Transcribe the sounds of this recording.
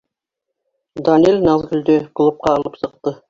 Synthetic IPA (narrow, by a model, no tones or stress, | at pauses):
d̪ɑnʲelʲnɑlˠɡɵ̆ld̪ɵklˠup̚qɑːlˠɤpsɤ̆q̚t̪ɤ